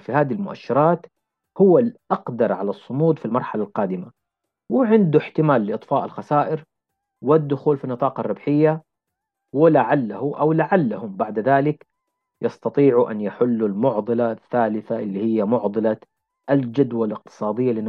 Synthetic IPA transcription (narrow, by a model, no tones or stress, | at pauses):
fihaːd̪ilmʊʔa̰ʃːɪɾˤɑːt̪ | hʊwːalʔɑqd̪ɑɾˤʕalɑsˤːʊmuːd̪filmɑɾˤħalalqɑːd̪ɪma | wɪʕɪnd̪uħt̪ɪmaːlːɪʔɨt̪ˤfɑːʔalxasaːʔɪɾ | wɪd̪ːʊxuːlfinːɨt̪ˤɑːqɑrˤːɑbħɪjːa | wɪlaʕalːahuʔawlaʕalːahʊmbaʕd̪ðaːlɪk | jɑst̪ɑt̪ˤiːʕuʔa̰njaħɪlːulmʊʕd̪ˤɨlaθːaːlɪθaʔɪlːihɪjːamʊʕd̪ˤɨla | ʔald͡ʒad̪walɪq̚t̪ɨ̥sˤɑːd̪ɪjːalːɪn